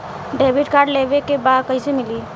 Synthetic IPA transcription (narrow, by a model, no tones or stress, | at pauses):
ɖebʱiʈkaɾɖlebekebad̪kəɪsemili